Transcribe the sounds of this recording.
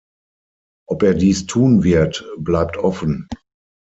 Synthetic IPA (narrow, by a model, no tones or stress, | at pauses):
ʔɔpeːɐdiːstʰuːnvɪɐtblaɪp̚tʰʔɔfən̩